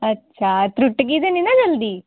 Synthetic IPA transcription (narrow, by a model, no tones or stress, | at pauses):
ɐtːt͡ʃʰat̪ɾuʈːɡid̪eninad͡ʒɐld̪i